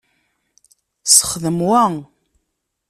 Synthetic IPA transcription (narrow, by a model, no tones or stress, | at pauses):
sə̥χəðəmwæ